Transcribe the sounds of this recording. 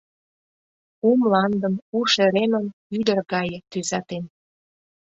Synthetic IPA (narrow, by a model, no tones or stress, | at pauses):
umlɑnd̪ə̆muʃeɾemənyd̪ərɣɑjə̆t̪yzɑt̪en